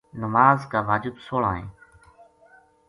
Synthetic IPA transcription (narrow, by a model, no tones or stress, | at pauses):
nəmaːzkaːʋaːd͡ʒɪbsoːɭaːɦẽː